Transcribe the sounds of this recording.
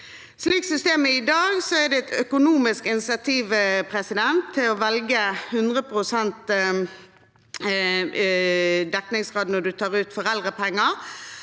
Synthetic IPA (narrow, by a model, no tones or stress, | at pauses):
sliːksʏst̪eːməɪd̪ɑːɡsɔɛd̪ɛɛt̪ʰœkʊnuːmɪskɪnsɑt̪ʰiːʋpʰʁɛsɪd̪ɛnt̪ʰːɪlɔʋɛlɡəhʉnd̪ʁəpʁʊsɛnt̪ | d̪ɛknɪŋsʁɑːd̪nɔd̪ʉt̪ʰɑːʁʉːt̪fɔʁɛlʁəpʰɛŋːəʁ